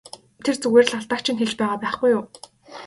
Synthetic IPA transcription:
t̪ʰert͡sɵɣweːr̆ɮaɮt̪ăːk̚t͡ɕʰĭnxeɮt͡ɕpæːʁaːpæːχɡ̥ujʊː

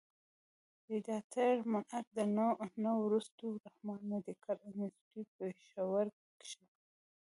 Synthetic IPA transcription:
d̪əd̪ɑt̪ʰaɽmanat̪̚d̪ənanawɾust̪oɾahmɑnnod̪əkʰaɾanɪsʈipeʃawaɾ | kʃi

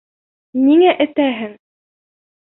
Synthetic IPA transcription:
niŋæʔɘ̆t̪æɦɘŋ

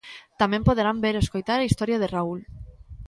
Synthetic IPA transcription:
t̪amẽmpoðeɾambeɾeskojt̪aɾaist̪ɔɾjaðeraul

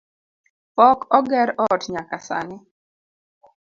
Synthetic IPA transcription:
pɔkɔɡɛɾɔtɲakasa̰nɪ

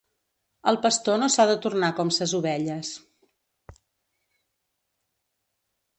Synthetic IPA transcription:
əlˠpəst̪onosaðət̪urnakɔmsəzuβɛʎəs

